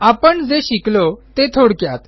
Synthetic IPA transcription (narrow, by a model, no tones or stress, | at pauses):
apəɳd͡zeɕiklot̪et̪ʰoɽkjat̪